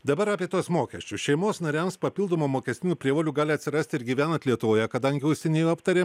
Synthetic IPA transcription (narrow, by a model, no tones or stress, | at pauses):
d̪ɐbɐɾɑːpʲiɛt̪uɔsmoːkʲɛsʲt͡ʃʲʊʃʲɛɪmoːsnɐɾʲɛmspɐpʲɪlˠd̪oːmoːmoːkʲɛst̪ʲɪnʲuːpʲɾʲiɛʋoːlʲuːɡɑːlʲɪɐt̪ʲsʲɪɾɐsʲt̪ʲɪɾɡʲiːʋʲæːnɐt̪lʲiɛt̪ʊʋoːjɛkɐd̪ɐŋʲɡʲɪʊsʲɛnʲeːjoːɐpt̪ɐɾʲeː